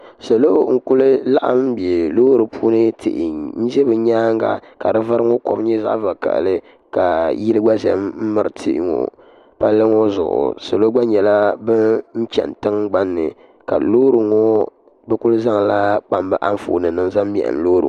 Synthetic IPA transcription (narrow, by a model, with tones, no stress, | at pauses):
sa˨lo˦ŋ̩˦kʊ˦lɨ˦la˦ʔa̰˦mm˦be˨loː˦ɾɨ˨pʰuː˦nɨ˦tʰɨ̰˨ʔɪ˨n̩˦d͡ʒɛ˦bɨ˨ɲaː˦ŋɡa̰˨ka˨dɨ˦va˦ɾɨ˦ŋo˦kɔ̰˨bɲɛ˦za̰˦ʔva˨ka̰˨ʔlɨ˦ | ka˨ji˦ɾɨ˦ɡ͡ba˦zɛ̰˨mm̩˦mɨ˨ɾɨ˨tʰḭ˦ɪ̰˦ŋo̰˨ | pa˦lːɨ˦ŋo˦zʊ̰˨ʔʊ̰˨sa˨lo˦ɡ͡ba˦ɲɛ˨la˦bɨ˦n̩˦t͡ʃɛ̰˨n˨tɨ˦ŋɡ͡ba˦nːɨ̰˨ | ka̰˨loː˦ɾɨ˨ŋɔ˦ | bɛ˦kʊ˦lɨ˦za˦ŋla˦k͡pa˨mbɨ˦ʔa˦n˦fṵː˨nɨ˨nɨ˨ŋza˦m˦m˨ɛ̰˨ʔɨ̰˨n˨loː˦ɾɨ̰˨